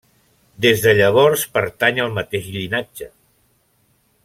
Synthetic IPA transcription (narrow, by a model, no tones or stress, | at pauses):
d̪ezðəʎəβ̞ɔɾspəɾt̪aɲəlˠmət̪eʃʎinad͡ʒə